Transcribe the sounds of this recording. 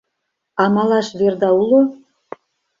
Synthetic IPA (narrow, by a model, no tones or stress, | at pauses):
ɑmɑlˠɑʃβerd̪ɑulˠo